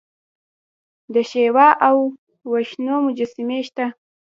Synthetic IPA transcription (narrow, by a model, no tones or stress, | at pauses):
d̪əʃewɑʔawː | aʃnomʊd͡ʒasɪmeʃt̪a